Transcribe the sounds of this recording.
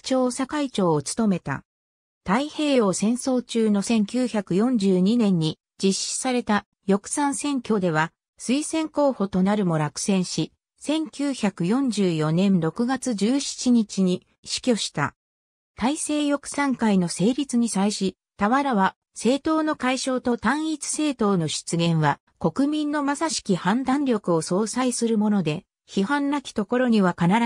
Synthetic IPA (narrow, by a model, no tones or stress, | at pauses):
t͡ɕo̞ːsakait͡ɕo̞ːt͡sɨ̥t̪o̞me̞t̪a̰ | t̪aihe̞ːjo̞ːsẽ̞ɰ̃so̞ːt͡ɕɨːno̞sẽ̞ŋkʲɨːçakɯ̟jõ̞ɲ̟d͡ʑɨːɲ̟inẽ̞ɲ̟ːi | d͡ʑiɕi̥saɾe̞t̪a | jo̞kɯ̟̥sãɰ̃sẽ̞ŋkʲo̞ːd̪e̞β̞a | sɨisẽ̞ŋko̞ːho̞t̪o̞naɾɯ̟mo̞ɾakɯ̟̥sẽ̞ɰ̃ɕi | sẽ̞ŋkʲɨːçakɯ̟jõ̞ɲ̟d͡ʑɨːjo̞nẽ̞nɾo̞kɯ̟ɡat͡sɨd͡ʑɨːɕi̥t͡ɕiɲ̟it͡ɕiɲ̟i | ɕi̥kʲo̞ɕi̥t̪a̰ | t̪aise̞ːjo̞kɯ̟̥sãŋkaino̞se̞ːɾʲit͡sɨɲ̟isaiɕi | t̪aβaɾaβa | se̞ːt̪o̞ːno̞kaiɕo̞ːt̪o̞t̪ãɰ̃it͡sɨ̥se̞ːt̪o̞ːno̞ɕi̥t͡sɨɡẽ̞ɰ̃βa | ko̞kɯ̟mʲĩnːo̞masaɕi̥kʲihãnd̪ãnɾʲo̞kɯ̟o̞so̞ːsaisɨɾɯ̟mo̞no̞d̪e̞ | çiɦãnɾakʲi̥t̪o̞ko̞ɾo̞ɲ̟iβakanaɾ